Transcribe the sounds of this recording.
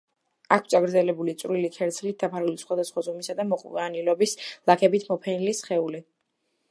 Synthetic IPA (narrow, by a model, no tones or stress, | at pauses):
ak̪ʰsʰʼaɡɾd̪zɛlɛbulit̪sʼɾilikʰɛɾt̪sʰlit̪̚d̪apʰaɾulisχwad̪asχwazumisad̪amɔχʼvanilɔbislˠakʰɛbit̪ʰmɔpʰɛnilisχɛuli